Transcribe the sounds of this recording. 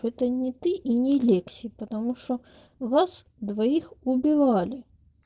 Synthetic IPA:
ɛt̪ənʲɪt̪ɨʔinʲɪlʲeksʲipət̪ɐmuʂt̪o | vas | d̪vɐixʊbʲɪvalʲɪ

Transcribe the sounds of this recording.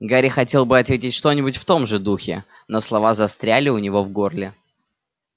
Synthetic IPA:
ɡaɾʲɪxɐtʲe̞lˠbɨɐt̪vʲetʲɪtʲʂt̪o̞nʲɪbʊtʲft̪o̞mʐɨd̪uxʲɪ̰ | noslˠɐvazɐst̪ɾʲælʲɪʊnʲɪvo̞vɡo̞rlʲɪ

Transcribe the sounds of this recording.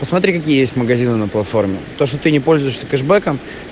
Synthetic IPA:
pəsmɐt̪ɾʲikɐk̬ʲijəjesʲt̪ʲməɡɐzʲinɨnəplˠɐt̪fo̞rmʲɪ̰t̪o̞ʂt̪ot̪ɨnʲɪpo̞lʲzʊjɪʂsʲəkɛʐbɛkəm

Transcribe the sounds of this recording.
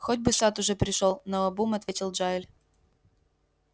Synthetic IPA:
xodʲbɨsat̪ʊʐɛpɾʲɪʂolˠnoɐbumɐt̪vʲetʲɪlˠʐaɪlʲ

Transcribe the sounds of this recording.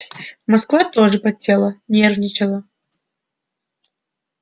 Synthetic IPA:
mɐskvat̪oʐɨpɐsʲelˠənʲervnʲɪt͡ɕɪlˠə

